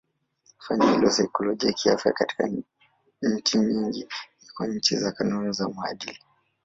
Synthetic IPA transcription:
faɲahilɔsaikɔlɔɡiakiafjakati̥ka̰ | ɲ̩t͡ʃiɲiŋɡinikɔɲ̩t͡ʃizakanunzamua̰ɗili

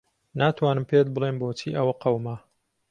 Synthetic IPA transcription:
naːt̪ʰwaːnɨmpʰet̪̚bɨlenboːt͡ʃʰiːʔɐwɐqɐwma

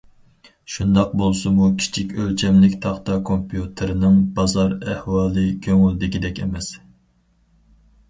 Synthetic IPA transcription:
ʃund̪ɑq̚bolˠsɨmukʲʰi̥t͡ʃʰikʲølt͡ʃʰɛmlɪkʲt̪ʰɑχt̪ɑkʰompʰijut̪ʰɪɾɪnɨŋbɑzɑɾæhwɑːlˠɨkʲʰøŋyld̪ɪkʲid̪ɛkʲḛmɛs

